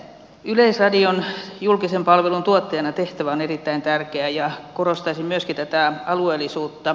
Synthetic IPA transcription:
yleisrɑdionjulkisempɑlʋelunt̪uot̪ːɑjɑnɑt̪eht̪æʋæonerit̪ːæint̪ærkeæjɑkorost̪ɑisimmyøskit̪æt̪æɑlueːlːˑisuːt̪ːɑ

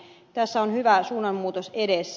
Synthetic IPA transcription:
t̪æsːæonhyʋæsuːnɑmmuːt̪osedes

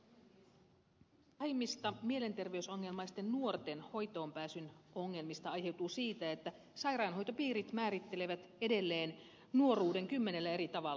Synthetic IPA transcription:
ɑjmːist̪ɑmie̞le̞nt̪e̞rʋe̞yso̞ŋːe̞lmɑjst̪ːenːuort̪enho̞jt̪o̞ːmpæːsyno̞ŋːe̞lmist̪ɑɑjhe̞wt̪uːsiːt̪æet̪ːæ | sɑjrɑːnɦo̞jt̪opiːɾit̪mæːɾit̪ːe̞le̞ʋæt̪e̞de̞lːe̞ːn | nuo̞ruːde̞ŋkymːe̞ne̞lːæe̞ɾit̪ɑʋɑlː

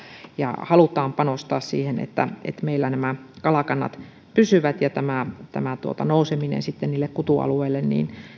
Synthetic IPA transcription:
jɑ̰hɑlut̪ɑːmpɑnost̪ɑːssḭːhenḛt̪ːæ̰ḛt̪meilːænæmækɑlɑkɑnːɑ̰t̪ | pysyʋæt̪jɑt̪æmæt̪æmæt̪uo̰t̪ɑnouseminḛnsit̪ːenniːlːekkut̪uɑ̰lueilːennḭːn

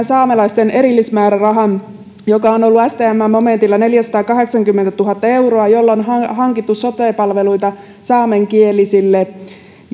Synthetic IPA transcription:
sɑːmelɑist̪ene̞ɾilːismæːɾærɑɦɑn | jokɑono̞lːuæst̪eæmːæmːome̞nt̪ilːɑne̞ljæsɑ̥t̪ɑːkɑɦe̞ksɑŋkymːent̪æt̪uɦɑt̪ːɑe̞uroɑjo̞lːonɦɑɦɑŋkit̪ːusso̞t̪eːpɑlʋe̞luit̪ɑ | sɑːme̞ŋkielisilːe

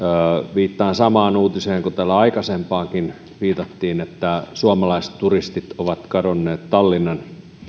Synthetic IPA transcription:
ʋiːt̪ːɑːnsɑmɑːnuːt̪iseːŋkut̪ælːæɑikɑsempɑːkin | ʋiːt̪ɑt̪ːiːnet̪ːæsuɑmɑlɑist̪turist̪it̪oʋɑt̪kɑdonːeːt̪t̪ɑlːinːɑn

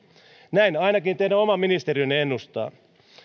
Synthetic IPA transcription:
næinɑinɑkint̪eidæomɑmːinist̪eriønːenːust̪ɑ̰ː

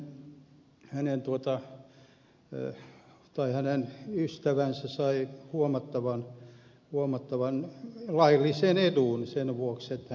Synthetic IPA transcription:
hænent̪uot̪ɑ | t̪ɑihænenyst̪æʋænsæsɑihuomɑt̪ːɑʋɑn | huomɑt̪ːɑʋɑnlɑilːiseneduˑnsenʋuokset̪ːæ

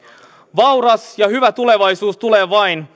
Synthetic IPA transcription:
ʋɑwɾɑsjɑhyʋæt̪ule̞ʋɑjsuːst̪uleːʋɑjn

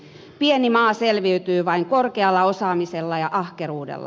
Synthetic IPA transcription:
pienimɑːselʋiyt̪yːʋɑiŋkorkeɑlːɑosɑːmiselːɑjɑʔɑhkeruːdḛlːɑ̰

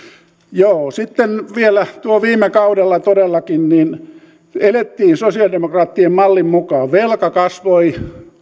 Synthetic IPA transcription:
joːsit̪ːenʋielæt̪uoʋiːmekɑudelːɑt̪odelːɑkinniːn | elet̪ːiːnsosiɑldemokrɑːt̪ːiemmɑlːimmukɑːʋʋelkɑkɑsʋoi

